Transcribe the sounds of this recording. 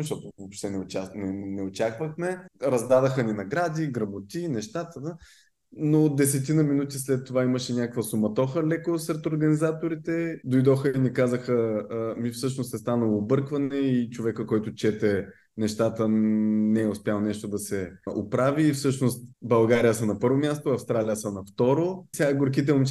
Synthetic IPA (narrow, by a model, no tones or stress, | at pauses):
ʃt̪ɔt̪ovopʃt̪ɛnɛot͡ʃanɛnɛot͡ʃakvəxmɛɾɐzd̪ad̪əxəninɐɡɾad̪iɡɾɐbot̪ʲinɛʃt̪at̪əd̪ə | nod̪ɛsɛt̪inəminut̪islɛt̪ːovaiməʃɛnʲakəkvəsumɐt̪ɔxəlɛkosɾɛt̪oɾɡɐnizat̪oɾit̪ɛd̪ojd̪ɔxəinikazəxəmifsɤʃnost̪ɛst̪anəlˠoːbɤɾkvɐnɛit͡ʃovɛkəkɔjt̪ʊt͡ʃɛt̪ɛ | nɛʃt̪at̪ənɛɛʊspʲjalˠnɛʃt̪od̪ɐsɛopɾaviːfsɤʃnost̪bɐlˠɡaɾijəsənɐpɤɾvomʲast̪oɐfst̪ɾalijəsənɐft̪ɔɾosʲaɡʊɾk̬it̪̬ɛum